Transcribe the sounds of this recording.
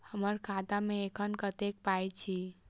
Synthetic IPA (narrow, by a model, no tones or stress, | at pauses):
həməɾkʰat̪ameekʰənkət̪ek̚pajt͡ʃʰi